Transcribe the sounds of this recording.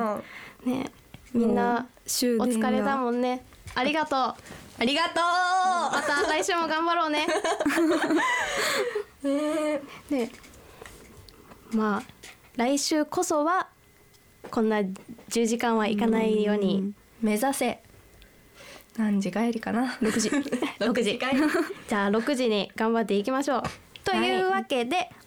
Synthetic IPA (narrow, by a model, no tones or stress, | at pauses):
ne̞̰ | mʲĩnːaɕɨot͡sɨ̥kaɾe̞t̪amõ̞nːe̞ | aɾʲiɡat̪o̞ːaɾʲiɡat̪oːmat̪aɾaiɕɨːmo̞ɡãmbaɾo̞ːne̞ | ene̞ | maː | ɾaiɕɨːko̞so̞βa | kõ̞nːad͡ʑɨːʑikãɰ̃βaḭkanaijo̞ːɲ̟i | me̞zase̞ | nãɲ̟d͡ʑiɡaeɾʲikanaɾokɯ̟ʑiɾokɯ̟ʑi | d͡ʑaːɾo̞kɯ̟ʑiɲ̟iɡ̥ãmbat̪ːe̞ik̬ʲimaɕo̞ː | t̪o̞jɯ̟ːβake̞d̪e̞